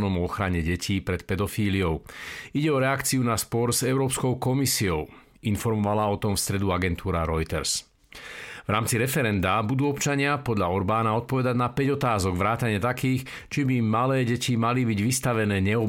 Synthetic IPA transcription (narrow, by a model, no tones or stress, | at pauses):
nɔmɔxɾaɲɛɟɛcʰiːpɾɛt̪pɛd̪ɔfiːliɔʊiɟɛɔɾɛakt͡siunaspɔɾzɛʊɾɔːpskɔʊkɔmisiɔʊ | infɔɾmɔʋalaɔt̪ɔmfst̪ɾɛd̪uaɡɛnt̪ʰuːɾaɾɔjt̪ɛ̰ɾs | vɾaːmt͡siɾɛfɛɾɛnd̪abud̪uːɔpt͡ʃaɲɪapɔd̪lʎaɔɾbaːnaɔt̪̚pɔʋɛd̪aɟnapɛɟɔt̪aːzɔɡʋɾaːt̪aɲɪɛt̪akiːx | t͡ʃibimalɛːɟɛcimalibiɟʋist̪aʋɛnɛːɲɛɔ